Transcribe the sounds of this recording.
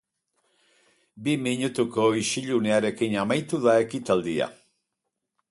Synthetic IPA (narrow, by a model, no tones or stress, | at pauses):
bimiɲut̪ukoiʃiʎuneaɾe̞kinamajt̪uðaekit̪ald̪ia̰